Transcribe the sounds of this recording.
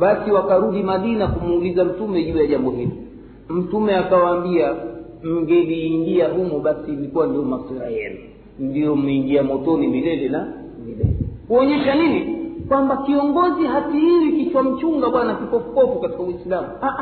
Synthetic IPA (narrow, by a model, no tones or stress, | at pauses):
ɓasiwakaɾuɗimaɗinakumuːlizam̩tumɛʄuːjaʄambɔɦilɔ | m̩tumɛakawaːmbia | m̩ŋɡɛliːŋɡiaɦumɔɓasiːlikuwandiɔmasɛɾa̰jɛnu | ndijɔm̩iŋɡiamɔtɔnimilɛlɛna | milɛ̰lɛkuɔɲɛʃaninikwambakiɔŋɡɔziɦatihiwikit͡ʃwam̩t͡ʃuŋɡaɓwanakikɔfukɔfukati̥kawisilamuaʔ